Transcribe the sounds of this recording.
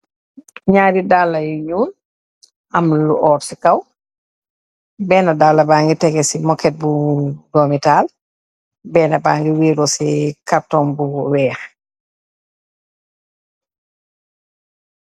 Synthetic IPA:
ɲaːɾidalːɐjuɲuːn | ʔɐmluʔɔːɾsikɐw | bɛːnɐdaːlːɐbaːŋɡitɛɡɛsimɔkɛt̚budɔmitaːl | bɛːnabaːŋɡiwiːɾɔsikaptɔːmbuwɛːx

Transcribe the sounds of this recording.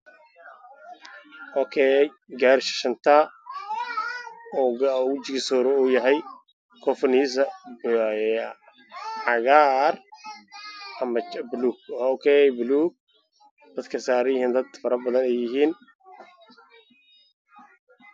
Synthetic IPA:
ɔkʰɛj | ɡaːɾʃɐ̥ʃɐnt̪ʰaː | ɔɡt͡ʃɪɡɪsɔːɾɔuːjɐɦɛj | kʰɔfɔniːs̬ɐb | ʕɑɣaːr | ʔɐmɐt͡ʃbluːɡ̚ɔkʰɛjbluːɡ̚ | d̪̥ɐd̪kʰɐsaːɾjɪhiːnd̪ɐd̪fɐɾɐbɐðɐnɛjɪɦiːn

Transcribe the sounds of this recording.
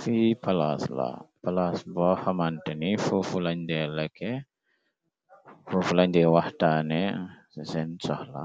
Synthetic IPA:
fipala̰sla̰palasbɔhamantɛnifufulaɲdɛləkʰɛ | fufulaɲdɛwahtanɛ | sɛnsɔhla̰

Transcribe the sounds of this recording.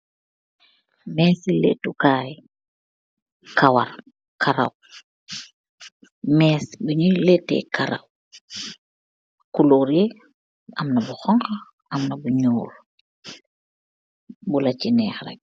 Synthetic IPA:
mɛːsilḛtukaːj | kawa̰ɾ | kʰaɾa̰w | mɛːsbuɲuletːɛ̰kaɾa̰w | kuluːɾje | ʔamnabuxɔŋka | ʔamnabuɲuːɾ | bulat͡ʃinɛːxɾɛ̰k̚

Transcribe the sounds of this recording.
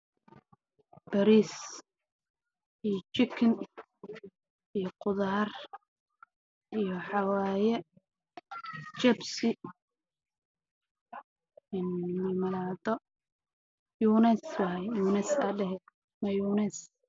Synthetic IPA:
b̥ɐɾis | ijɔt͡ʃɪkʰɪn | ijɔqʊðaːr | ʔijɔħɑwaːjɛ | t͡ʃɛbsɪ | ɪnmɐlmɐlaːd̪ɔ | juːnɛswɐɦjjuːnɛsɐdɛɦɛ | mɐjunɛs

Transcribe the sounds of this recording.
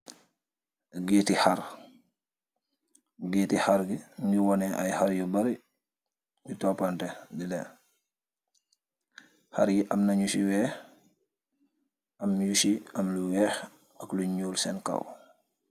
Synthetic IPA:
ɡeːtihaɾ | ɡeːtihaɾɡiniwɔnɛʔa̰jhaɾjubaɾi | jutoːpantedilɛn | ha̰ɾɡiʔamnaɲuʃiwɛːx | ɐmjuʃiɐmluwɛːx | ɐkluɲuːlsɛnka̰w

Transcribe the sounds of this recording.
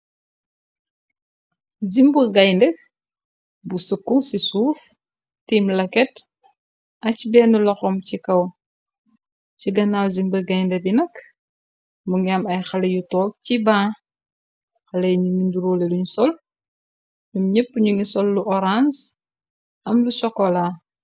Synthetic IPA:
zimbəɡɐjndɛ | busukːusisuːf | tiːmlɐkɛt | ʔɐcbɛːnulɐxɔmcikɐw | ciɡɐnawzimbɐɡɐjndɛbinɐk | muŋamɐjxɐlejutɔːk̚cibãː | xɐlejɲuŋinduɾoːleluɲusɔl | numɲɛpːɲuŋisɔlːuʔɔɾans | ɐmlusɔkɔla

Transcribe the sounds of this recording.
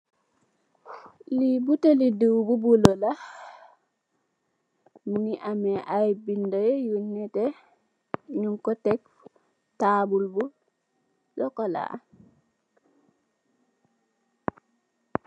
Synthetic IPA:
libuteliduwbubulɔla | muniʔamɛʔajbindɔjɛjunːɛtɛ | ɲuŋkɔtɛk̚ | tabulbu | dɔkɔla̰

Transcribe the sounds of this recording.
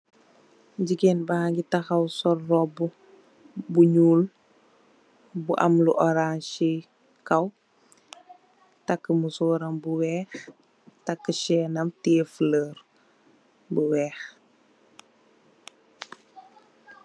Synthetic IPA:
ɟiɡenbahaŋɡitɐxɐwsɔrːɔbu | buɲuːl | buʔɐ̰mluʔɔɾanʃi | kɐw | tɐkːəmusɔːɾɐmbuwɛːx | tɐkːəʃɛːnɐmtifləːɾ | buwɛːx

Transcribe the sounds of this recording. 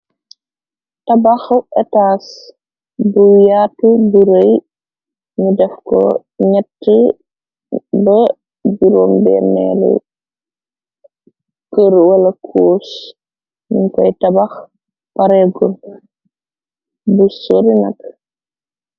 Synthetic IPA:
tɐbaxuɛtaːs | bujatubuɾəj | ɲudɛfkɔ̰ | ɲɛtːə | bɐ | biɾoːmbɛnɛ̰lṵ | kəɾwɐlɐkʰoːs | minkɔjtɐbax | paɾɛɡun | busoɾinɐk

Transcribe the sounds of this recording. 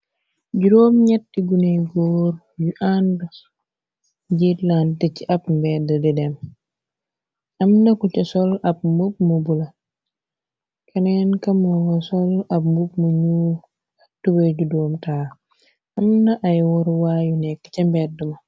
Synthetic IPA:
ɟudoːmɲɛtːiɡuneɡoːɾ | juʔand | ɟitlantɛciʔɐp̚mbɛːdɐdɛdɛm | ɐmnɐkucɐsɔlɐp̚mup̚mubulɐ | kʰɐnɛnkɐmɔŋɡɐsɔlɐpmbup̚muɲu | atːubeɟudoːmtaː | ɐmnɐʔajwɔɾwaːjunɛkːɐcɐmbɛːdəmɐ

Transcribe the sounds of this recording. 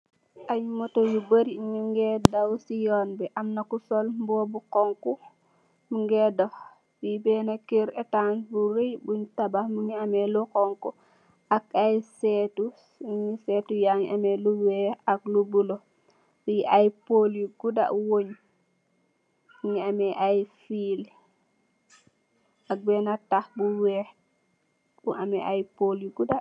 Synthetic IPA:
aɲmotojubəɾiɲiŋɡɛdawsijonbɛʔamnakusolmboːbukɔŋku | muŋɡɛdoh | wibɛːnakiɾetanbuɾejbuɲtabahmiɲiamelukɔŋku | akajsetusiɲisetujaɲiʔamɛluwɛhaklubulo | wiʔajpoljuɡuda̰ʔwoɲ | iɲiamɛʔajfiːl | ak̚bɛːnatahbuwɛh | buamɛʔajpoljuɡuda

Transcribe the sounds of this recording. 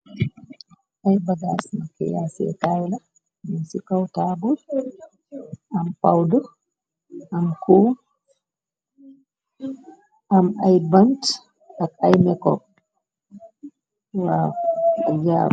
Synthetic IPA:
ʔajbaɡasmakɛ̰jasɛ̰tawla | amsikawtaːbul | ʔampawdɔ | ʔamkʰuː | ʔamajbant | akajmɛkɔ̰ | waaja

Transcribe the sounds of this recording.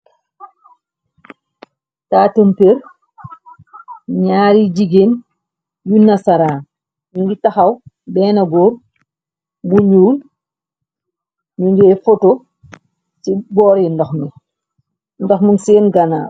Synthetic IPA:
taːtəmpeɾ | ɲaːɾid͡ʒiɡen | junasaɾaːn | ɲuɲd͡ʒitaxɐw | bɛːnɐɡoːɾ | buɲuːl | ɲuɲd͡ʒɛfoto | sibɔːɾindɔxmi | ndɔxmuŋseːnɡɐna̰ː

